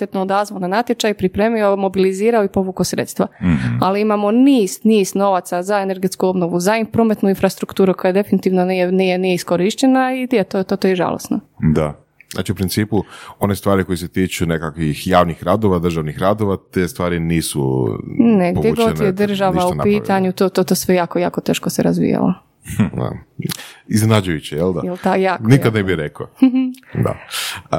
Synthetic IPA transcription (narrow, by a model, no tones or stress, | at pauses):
t̪et̪nood̪azʋolnanat̪jet͡ʃajpɾipɾeːmiomo̞biliziːɾaoipo̞ʋukosɾḛt̪st̪ʋa̰aliimamo̞niːsniːzno̞ʋat̪sazaene̞ɾɡe̞t̪skuo̞bnoʋuzaipɾomet̪nuinfɾast̪ɾukt̪uːɾukojad̪e̞finit̪iʋnonijenijenijeiskoɾiʃt͡ɕenaid̪et̪ot̪ot̪ojeʒa̰lˠo̰sno̰ | d̪a | za̰ːt͡ʃiupɾinsiːpuo̞nest̪ʋaːɾiko̞jeset̪iːt͡ʃunekakʋixjaːʋnixɾaːd̪oʋad̪ɾrʒaʋnixɾad̪oʋat̪est̪ʋaːɾiniːsṵ | neɡpojeɡonjed̪rr̩ʒaʋaunpiːt̪aɲut̪oːt̪ot̪osʋejaːkojaːkot̪eːʃkoseɾa̰zʋḭja̰lo̰ | a̰ | iznenad͡ʒujut͡ɕejeld̪ajelt̪ajaːknikad̪nebiɾekod̪a̰